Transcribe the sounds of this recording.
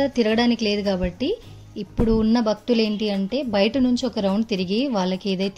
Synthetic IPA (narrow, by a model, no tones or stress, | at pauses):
ɐt̪iɾuɡɐɽaːnikile̞ːd̪ukaːbɐʈːiː | pːuɽuːnːɐbʱɐk̚t̪ule̞ːɳʈiɐɳʈe̞ːbɐjʈɐnuɲt͡ʃiɔkɐɾɐwɳɖt̪iɾiɡiʋaːɭːɐkeːd̪ɐt̪